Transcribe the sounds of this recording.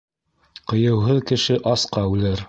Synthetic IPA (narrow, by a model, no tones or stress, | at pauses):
qɤ̆jɤ̆wɦɤðkɘ̆ʃɘʔɑsqɑʉlæɾ